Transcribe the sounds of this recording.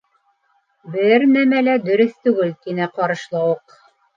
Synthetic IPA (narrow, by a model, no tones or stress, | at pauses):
bɘɾnæmælæd̪ɵ̆ɾɵθt̪ʉɡɘlt̪inæqɑɾɤ̆ʃlˠɑwɤq